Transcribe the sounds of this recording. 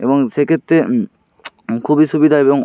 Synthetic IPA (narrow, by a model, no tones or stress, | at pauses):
ebɔŋsekʰet̪ːe | kʰubisubid̪ʱaebɔŋ